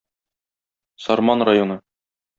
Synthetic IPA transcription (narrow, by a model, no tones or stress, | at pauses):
sɒɾmɑnrajonɤ